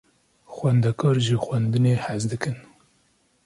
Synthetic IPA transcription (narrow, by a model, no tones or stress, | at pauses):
xwænd̪ɛkʰɑːɾʒɨxʷwɛnd̪ɨneːhæzd̪ɨkɨn